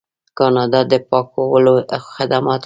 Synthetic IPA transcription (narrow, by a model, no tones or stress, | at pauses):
kɑnɑd̪ɑd̪əpɑkawəloxɪd̪amɑt̪